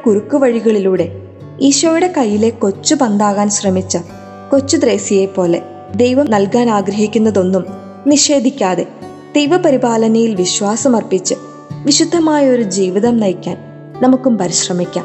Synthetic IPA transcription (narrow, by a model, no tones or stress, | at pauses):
kurukːuʋɐɻiɣɐɭiluːɽe̞ | iːɕʋɐjuɽe̞kɐjːile̞ko̞t͡ɕːubɐnd̪aːɣaːnɕrɐmit͡ɕːɐ | ko̞t͡ɕːud̪re̞ːsijepo̞ːle̞ | d̪e̞jʋɐmnɐlkaːnaːɡɾɐɦikʲːunːɐðo̞nːum | niɕe̞ːd̪ʱikʲːaːðe̞ | d̪̥e̞jʋɐpɐɾibaːlɐnɐjilʋiɕʋaːsɐmɐrpit͡ɕːɨ | ʋiɕud̪ʱːɐmaːjɐo̞ɾud͡ʑiːʋiðɐmnɐjkʲːaːn | nɐmukːumpɐɾiɕrɐmikʲːa̰ːm